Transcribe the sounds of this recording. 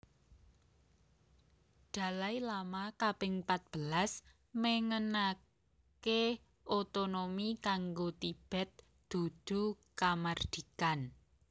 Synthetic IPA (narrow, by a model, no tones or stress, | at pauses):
d̪̥a̤lajlamakab̥ɪŋpat̪̚b̥əlas | məŋəna | ke | ʔot̪onomikaŋɡot̪ib̥ɛ̤t̪̚ | d̪̥ṳd̪̥ṳkamard̪̥i̤kan